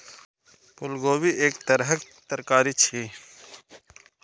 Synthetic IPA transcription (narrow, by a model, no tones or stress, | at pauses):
pʊlɡoːwiːʔeːkt̪əɾɦək | t̪ɐɾkaːɾit͡ʃʰi